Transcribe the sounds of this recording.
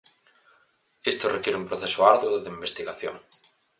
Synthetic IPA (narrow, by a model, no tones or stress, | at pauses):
est̪orekjeɾeumpɾoθesoaɾðoðeimbest̪iɣaθjo̰ŋ